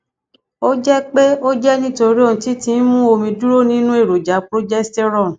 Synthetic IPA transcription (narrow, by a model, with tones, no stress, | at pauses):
o˦d͡ʒɛ˦k͡pe˦o˦d͡ʒɛ˦nĩ˦to˧ɾi˦o˦˧nũ˧ti˦tĩ˧˦mũ˦o˧mĩ˧du˦ɾo˦nĩ˦nũ˦e˦˨ɾo˨d͡ʒa˨˦pɾo˦d͡ʒɛ˦stɛ˦ɾɔ̃˦˨